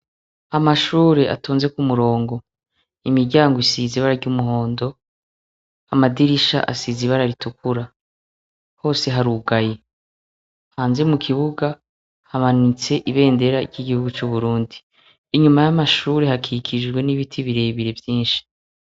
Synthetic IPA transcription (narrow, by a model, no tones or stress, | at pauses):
amaʃuːɾe̞ʔa̰tʰoːnze̞kumuɾo̞ːŋɡo̞ | imiɾɟaːŋɡoisiziβaɾaɾɟumuɦo̞ːndo̞ | amadiɾiʃa̰ʔa̰siziβaɾaɾitukuɾa | ho̞ːse̞ɦaɾuɡaje̞ | haːnzemukʰiβuɡa | hamanit͡se̞ʔiβe̞ːnde̞ɾaɾɟiɡihuɡut͡ʃuβuɾuːndiː | ɲumajamaʃuːɾe̞hakʰikʰid͡ʒɡwe̞niβitʰiβiɾe̞βiɾe̞vjiːnʃi̥